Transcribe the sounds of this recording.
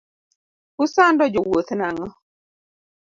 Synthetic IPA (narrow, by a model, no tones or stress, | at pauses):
kʊsandɔd͡ʒowot̪naŋɔ